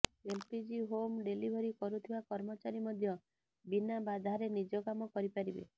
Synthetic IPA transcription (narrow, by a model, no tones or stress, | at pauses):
elpid͡ʒiɦomɖelibʱɔɾikɔɾut̪ʰibakɔɾmɔt͡ʃaɾimɔd̪ʱjɔ | binabad̪ʱaɾenid͡ʒɔkamɔkɔɾipaɾibḛ